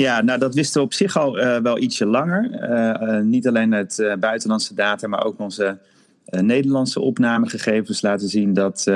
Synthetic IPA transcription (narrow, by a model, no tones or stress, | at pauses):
jaːnodɑtʋɪstəʋəɔpsɪχɑlˠʋɛlˠʔitsəlɑŋəɹ | nitɑlejnətbœɥtəlɑntsədaːtaːmaːɹʔo̰wkɔnzə | nejdəɹlɑntsə̰ʔɔpnaːməχəχejvənslaːtəzindɑt